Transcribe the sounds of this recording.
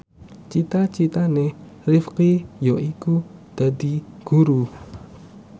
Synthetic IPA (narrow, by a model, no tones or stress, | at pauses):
t͡ʃit̪at͡ʃit̪ane | rifkijɔikud̪̥a̤d̪iɡ̥uɾu